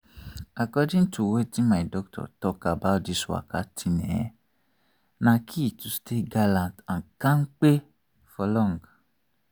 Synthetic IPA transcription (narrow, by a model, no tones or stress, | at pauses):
akɔd͡ʒĩn̩tuwetimãidɔk̚tʰɔ̰tɔkabaodisua̰katʰinɛ̰̃ | nãkʰitusteɡalãntãkãŋ̩k͡pe | fɔlɔ̃ŋɡ